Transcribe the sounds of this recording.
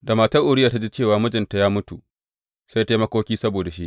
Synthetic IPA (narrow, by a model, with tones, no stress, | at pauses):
da˨maː˨tɐ˦rʔʊ˨ɽɪ˦jaː˨ta˦d͡ʒiː˦t͡ʃeː˦˨waː˨mʊ˦d͡ʒɪ˨nta˨jaː˦mʊ˦tu˨ | sa˦jta˦i˦mɐ˦kʷoː˦kʲiː˦sɐ˦boː˨da˨ʃḭ˦ʔ